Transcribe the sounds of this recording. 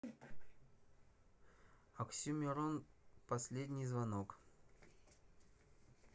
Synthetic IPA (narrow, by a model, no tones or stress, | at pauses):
ɐksʲumʲɪɾonpɐsʲlʲedʲnʲɪjzvɐnok